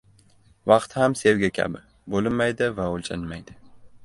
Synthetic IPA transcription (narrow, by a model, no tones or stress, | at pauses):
vɑqt̪hamse̞wɡʲakʲʰa̰bɪ | bolɪnːajd̪ɪvaolˠt͡ʃʰanmajd̪ɪ̥